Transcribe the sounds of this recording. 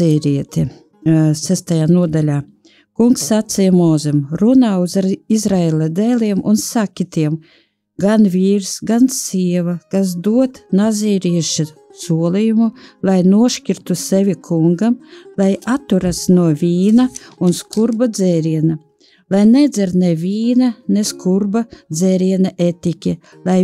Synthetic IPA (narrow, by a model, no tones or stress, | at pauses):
ɛːɾʲiɛt̪ʲi | sæst̪ajaːnuɔd̪alʲaː | kuŋksːat̪sijamɔːzɛmɾunaːuzaɾizɾaelˠad̪ɛːlʲiɛmʔunsakʲit̪iɛm | ɡanvʲiːɾsɡansiɛʋakas̬d̪uɔt̪nazʲiːɾiɛʃa | suɔlˠijumulˠajnuɔʃkʲiɾt̪usevʲikʰuŋɡamlˠajat̪ːuɾasnuɔvʲiːnaunskuɾbad̪zɛːɾiɛna | lˠajnɛd̪zʲɛɾnevʲiːnaneskuɾbad̪zeɾiɛnaʔet̪ʲikʲi | lˠaj